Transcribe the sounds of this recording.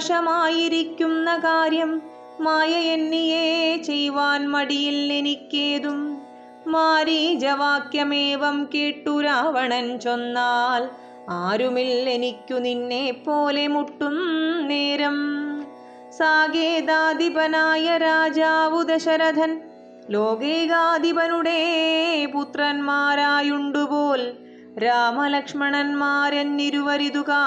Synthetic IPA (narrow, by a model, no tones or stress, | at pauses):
ʂɐmaːjiɾikʲːumnɐkaːɾjɐmː | aːjɐjenːijeːt͡ʃejʋaːnmɐɽijilːenikːeːd̪umː | aːɾid͡ʒɐʋaːkjɐmeːʋɐmkeːʈːuɾaːʋɐɳɐnt͡ʃonːaːl | aːɾumilːenikʲːuninːeːpoːlemuʈːumneːɾɐm | saːɡeːd̪aːd̪ibɐnaːjɐɾaːd͡ʒaːʋud̪ɐʃɐɾɐd̪ʱɐn | loːɡeːɡaːd̪ibɐnuɽeput̪ɾɐnmaːɾaːjuɳɖupoːl | ɾaːmɐlɐkʂmɐɳɐnmaːɾɐnniɾʋɐɾid̪ukaː